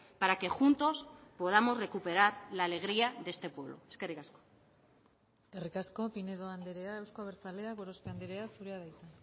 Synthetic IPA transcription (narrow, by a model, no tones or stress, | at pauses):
paɾake̞xunt̪o̞spo̞ð̞amo̞zre̞kupe̞ɾaɾlaːle̞ɣ̞ɾiaðe̞st̪e̞pwe̞βlo̞̰eskerikasko̥ | skerikasko̞pineðo̞and̪eɾeaewskoaβ̞eɾt͡sale̞aɣoɾo̞spe̞and̪eɾeasuɾeaðajt͡sen